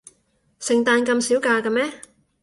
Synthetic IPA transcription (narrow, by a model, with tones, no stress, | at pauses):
sɪ˨˩ŋt̪aː˧nkɐ˧msiː˨˥wkaː˧kɐ˧mɛː˦˥